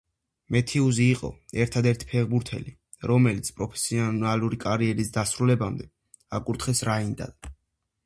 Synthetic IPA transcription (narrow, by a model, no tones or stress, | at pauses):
mɛt̪ʰɛuziːqʼɔ̰ɛɾt̪ʰad̪ɛɾt̪ʰi̥pʰɛʁbuɾt̪ʰɛ̰li | ɾɔmɛlit̪sʰpʼɾɔpʰɛ̥siɔnaluɾikʼaɾiɛɾisd̪asɾulɛbamd̪ɛ | akʼuɾt̪ʰχɛsɾaind̪a̰d̪̚